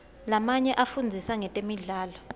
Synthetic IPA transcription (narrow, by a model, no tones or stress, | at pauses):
lamaɲɛʔafund͡zʱisaŋɛtʼemiɮaːlɔ